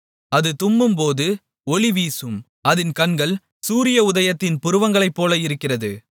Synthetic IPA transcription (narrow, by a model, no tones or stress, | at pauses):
ɐðɯt̪ʊmbɯmpoːðɯ | ɔɭɪʋiːsɯm | ɐðɪnkɐnɡɐɭ | suːɾɪjɐʊðɐjɐt̪ːɪnpʊɾɯʋɐŋɡɐɭɐɪpːoːlɐɪɾɯkːɪrɐðɯ